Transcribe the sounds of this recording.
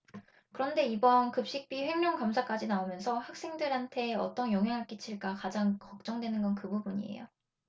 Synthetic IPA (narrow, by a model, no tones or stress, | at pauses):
kɯɾʌnde̞ibʌnkɯp̚ɕ͈ik̚p͈iɸwemːjʌŋkamsʰak͈ad͡ʑinaomjʌnsʰʌhak̚s͈e̞ŋdɯɾɦantʰe̞ʌ̰t͈ʌnjoŋɦjaŋɦaɭk͈it͡ɕʰiɭk͈akad͡ʑaŋkʌk̚t͡ɕ͈ʌŋdwe̞nɯnɡʌnkɯbubuɲḭḛjo̰